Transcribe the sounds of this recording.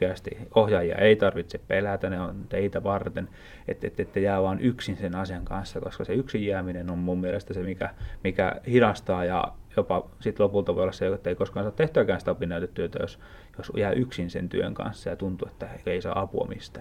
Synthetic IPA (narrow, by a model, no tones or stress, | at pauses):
keæst̪ḭohjɑːjiɑ̰ʔeit̪ɑrʋit̪seppelæt̪æneont̪eit̪æʋɑrt̪en | ḛt̪ːḛt̪ːet̪ːæjæːʋɑːnʔyksinsenɑsijɑŋkɑnsːɑko̰skɑseyksijeæminenommummielest̪æsemikæmikæ̰hidɑst̪ɑːjɑ̰jopɑ | sit̪lopult̪ɑʋoˑolˑɑseet̪ːeikoskɑːnsɑːt̪eht̪øæːkæːnsi̥t̪æopinːæyt̪et̪t̪ːyøt̪æ̰jo̰s | josjæːʔyksinsḛnt̪y̰ø̰ŋkɑ̰nsːɑjɑt̪unt̪uet̪ːæeeisɑ̰ːɑpuɑ̰mḭst̪æː